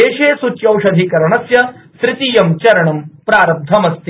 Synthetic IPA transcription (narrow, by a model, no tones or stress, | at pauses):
eːʃeːsut͡ʃjɐwʃɐd̪ʱikɐɾɐɳɐsjɐsɾɪt̪ijɐmt͡ʃɐɾɐɳɐmpɾaːɾɐb̚d̪ʱɐmɐst̪ʰi